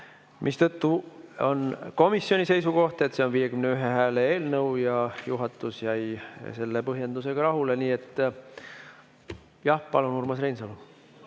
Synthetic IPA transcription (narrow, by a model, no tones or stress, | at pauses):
mʔist̪ɤt̪ːuo̞̰nko̞misːjo̞nʲise̞jsuko̞ht̪e̞t̪seo̞nviːje̞kymneyɦe̞ɦæːleeːlnɤwjɑjuɦɑt̪ːˑusjæjse̞lːepɤɦje̞nd̪use̞ɡ̥ɑɾɑɦule̞niːe̞t̪ːˑ | jɑhpɑlunurmɑsre̞jnsɑlu